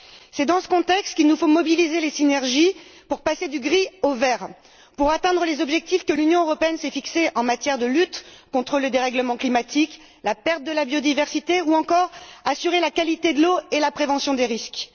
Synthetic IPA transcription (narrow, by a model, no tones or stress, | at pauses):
sɛd̪ɑ̃sə̥kɔ̃t̪ɛkst̪kilnufomɔbilizelesinɛʁʒipuʁpased̪yɡʁiovɛʁ | puʁat̪ɛ̃d̪ʁəlezɔbʒɛk̚t̪ifkəlynjɔ̃øʁɔpeɛnsɛfikseʔɑ̃mat̪jɛʁd̪əlyt̪kɔ̃t̪χələd̪eʁɛɡləmɑ̃klimat̪ik | lapɛʁt̪̚d̪əlabjod̪ivɛʁsit̪euɑ̃kɔʁasyʁelakalit̪ed̪əloelapχevɑ̃sjɔ̃d̪eʁisk